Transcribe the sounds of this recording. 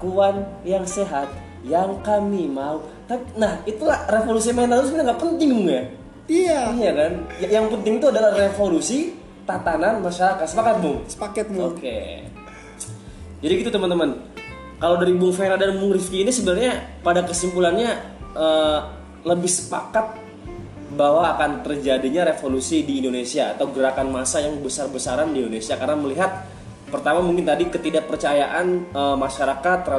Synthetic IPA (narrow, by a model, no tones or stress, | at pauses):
kuanjaŋseɦat̪̚ | jaŋkamimaut̪apinahit̪ulahrefolusimanansmiaŋɡaʔpənt̪ɪŋbʊŋja | iaijakanjajaŋpənt̪ɪŋit̪uadalahrefolusi | t̪at̪ananmaʃaɾakat̪səpakat̪̚bʊŋsə̥pakɛt̪̚okḛ | d͡ʒadiɡit̪ut̪əmənt̪əman | kalawdaɾibʊŋfeɾadanmuŋɾifkiːnisəbənarɲapadakəsimpulanɲa | ə | ləbɪhsə̥pa̰kat̪̚ | bawaːkant̪ərd͡ʒadiɲaɾefolusidiːndonesiaːt̪awɡəɾakanmasajaŋbəsarbəsaɾandiindonesiakarənaməliɦat̪̚ | pərt̪amamuŋkɪnt̪adikət̪idaʔ̚pərt͡ʃajaʔanəmaʃaɾakat̪ːrɾa